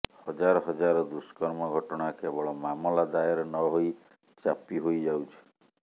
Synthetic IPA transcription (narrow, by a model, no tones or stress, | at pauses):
hɔd͡ʒaɾɔɦɔd͡ʒaɾɔd̪uskɔɾmɔɡʱɔʈɔɽ̃akebɔɭɔmamɔlad̪ajɔɾɔnɔɦoj | t͡ʃapiɦojd͡ʒawt͡ʃʰi̥